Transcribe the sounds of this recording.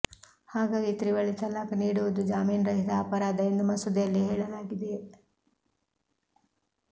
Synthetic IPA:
haːɡaːɡit̪ɾiʋɐɭit̪ɐlːaːkɐniːɽuʋud̪ud͡ʒaːmiːnɾɐɦit̪ɐːpɐɾaːd̪ɐend̪umɐsud̪ɐjɐlːiɦeːɭɐlaːɡid̪e

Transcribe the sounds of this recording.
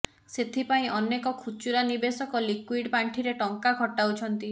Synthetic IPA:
set̪ʰipaĩʔɔnekɔkʰut͡ʃuɾanibesɔkɔlikwiɽpaɳʈʰiɾeʈɔŋkakɔʈawt͡ʃʰɔnt̪i

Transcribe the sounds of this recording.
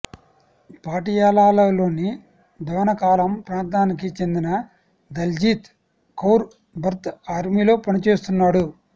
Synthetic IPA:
paːʈijaːlaːlɐlo̞ːni | d̪ɐʋɐnɐkaːlɐmpɾaːnt̪aːnikit͡ʃe̞nd̪inɐ | d̪ɐld͡ʒiːt̪ | kɐwɾ | bʱɐɾt̪aːɾmiːlo̞ːpɐnit͡ʃe̞ːst̪unːaːɽu

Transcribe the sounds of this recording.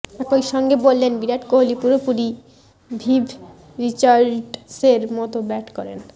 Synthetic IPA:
ɛkojʃɔŋɡebolːenbiɾaʈkoɦolipuɾopuɾi | bʱibʱ | ɾit͡ɕaɾɖseɾmɔt̪obɛʈkɔɾḛn

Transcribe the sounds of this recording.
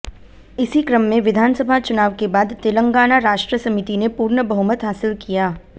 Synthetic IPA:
ɪsikɾəmːẽʋɪd̪ʱaːnsəbʱat͡ʃʊnaːʋkebaːd̪t̪ɪlə̃ŋɡaːnaɾaːʃʈɾəsɐmɪt̪inepuːɾnəbɐɦʊmət̪ɦaːsɪlkijaː

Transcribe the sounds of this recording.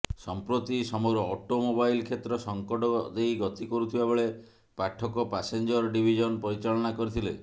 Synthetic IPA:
sɔmpɾot̪isɔmɔɡɾɔːʈomobajlkʰet̪ɾɔsɔŋkɔɖɔd̪ejɡɔt̪ikɔɾut̪ʰibabeɭe | paʈʰːɔkɔpasend͡ʒɔɾɖibʱid͡ʒɔnpɔɾit͡ʃaɭɔnakɔɾit̪ʰile

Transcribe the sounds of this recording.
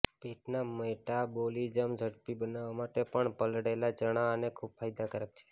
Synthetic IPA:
peʈnaməjʈabolid͡ʒəmd͡ʒʱəɽpibənaʋamaʈepəɳpəlɽelat͡ʃəɽ̃aənekʰub̚fʰajd̪akəɾək̚t͡ʃʰe̥

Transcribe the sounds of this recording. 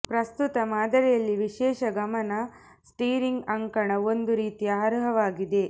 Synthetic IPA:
pɾɐst̪ut̪ɐmaːd̪ɐɾɛjɐlːiʋiʃɛːʃɐɡɐmɐnɐ | sʈiːɾiŋɡɐŋkɐɳɐo̞nd̪uɾiːt̪iaːɾɦɐʋaːɡid̪e̞

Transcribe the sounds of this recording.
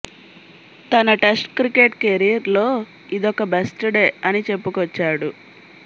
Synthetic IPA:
t̪ɐnɐʈesʈkɾikeʈkeɾijɐɾlo̞ː | id̪ɔkɐbesʈuɖeːɐnit͡ʃe̞pːukɐt͡ʃːaːɽu

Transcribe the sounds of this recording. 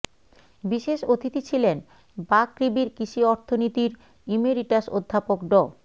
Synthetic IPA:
biʃeʃot̪ʰit̪it͡ɕʰilen | bakɾibiɾkiʃiɔɾt̪ʰonit̪iɾ | imeɾiʈaʃod̪ʱːapokɖɔ

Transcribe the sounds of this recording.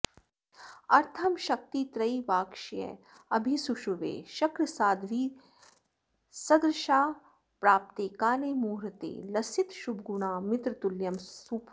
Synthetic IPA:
ɐɾt̪ʰɐmʃɐk̚t̪it̪ɾɐiʋaːkʃijɐ̰ | ɐbʱisuʃuʋḛːʃɐkɾɐsaːd̪ʋiː | sɐɡɾɪʃaː | pɾaːp̚t̪eːkaːleːmuːɾɐt̪ḛːlɐsit̪ʃub̚ɡuɳ̃aːmɪt̪ɾt̪uljɐmup

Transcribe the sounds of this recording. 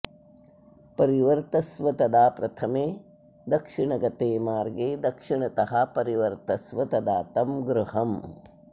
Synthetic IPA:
pɐɾiʋɐɾt̪ɐsʋɐt̪ɐd̪aːpɾɐt̪ʰɐmeː | d̪ɐkʂiɳɐɡɐt̪eːmaːɾɡeːd̪ɐkʂiɳɐt̪ɐɦɐpɐɾiʋɐɾt̪ɐsʋɐt̪ɐd̪aːt̪ɐmɡɾuhɐm

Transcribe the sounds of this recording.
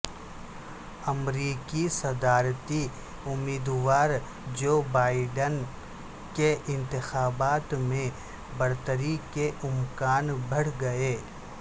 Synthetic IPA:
ɐmɾiːkisɐd̪aːɾt̪i | ʊmːiːd̪waːɾ | d͡ʒoːbaːɪɖən | keʔɪ̃nt̪ɪxaːbaːt̪mẽ | bɐɾt̪əɾikeʔʊmkaːnbʱɐɽ̤ɡɐeː

